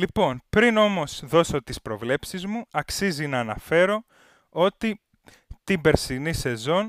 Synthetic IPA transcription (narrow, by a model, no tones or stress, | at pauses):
lipo̞npɾino̞mo̞sðo̞so̞t̪ispɾo̞vle̞psizmuɐksizinɐːnɐfe̞ɾo̞ | o̞t̪i | t̪ibe̞ɾsinise̞zo̞n